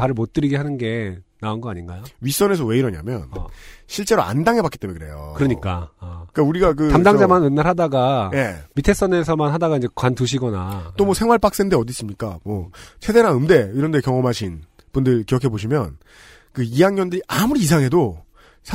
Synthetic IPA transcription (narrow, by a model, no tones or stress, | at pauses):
paɾɯɭmot̚t͈ɯɾiɡeɦanɯnɡe̞naonɡʌaɲinɡajoɥis͈ʌne̞s̬ʰʌwe̞iɾʌɲa̰mjʌ̰nɕʰiɭt͡ɕ͈e̞ɾoa̰ndaŋɦe̞bak͈i̥t͈emuekɯɾe̞̰jo̰kɯɾʌɲik͈ak͈auɾiɡak̬ɯamdaŋd͡ʑamanɯnːaɾɦadaɡaje̞mitʰe̞s͈ʌne̞s̬ʰʌmanɦadaɡaind͡ʑe̞kwantuɕ̬ʰiɡʌnat͈omwʌsʰe̞ŋwaɭp͈ak̚s͈endeʌdis͈ɯmɲik͈amwʌt͡ɕʰe̞de̞ɾanɯmde̞iɾʌnde̞kjʌŋʌmɦaɕʰin | pundɯɭkiɾʌkʰe̞boɕʰimjʌn | kɯijaŋɲʌndɯɾiʔamuɾiːsʰaŋɦe̞do | sʰ